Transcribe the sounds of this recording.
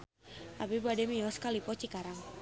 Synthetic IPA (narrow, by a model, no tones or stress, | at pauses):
ʔabibadɛmiɔskalipɔt͡ʃikaɾaŋ